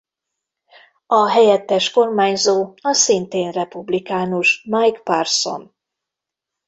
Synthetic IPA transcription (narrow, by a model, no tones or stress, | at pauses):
ɒɦɛjɛt̪ːɛʃko̞rmaːɲzoːɒsint̪eːnrɛpublikaːnuʃmajkparso̰n